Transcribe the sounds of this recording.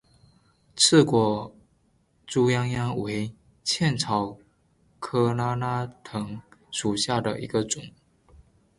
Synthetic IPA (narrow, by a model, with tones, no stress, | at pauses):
t͡sʰɹ̩˥˩kwɔ˨˩ | ʈ͡ʂu˥jɑ˥ŋjɑ˥ŋwe˧˥ɪ | t͡ɕʰjɛ˥˩nt͡sʰɑ˨˥ʊ | kʰɤ˥na˥na˥t̪ʰɤ˧˥ŋʂu˨˩ɕja˥˩d̪ə̰˩ʔḭ˧˥ɡə˧ʈ͡ʂʊ˨˩˦ŋ